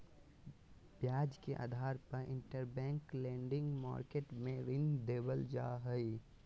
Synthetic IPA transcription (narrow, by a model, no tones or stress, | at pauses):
bjaːd͡ʒkeʔa̰ːd̪ʱaːɾpəɾʔɪ̰̃ɳʈəɾbɛ̃ːŋklẽːɳɖɪ̃ŋɡma̰ːɾkeʈmẽɾɪnd̪eːbəld͡ʒa̰ɦəi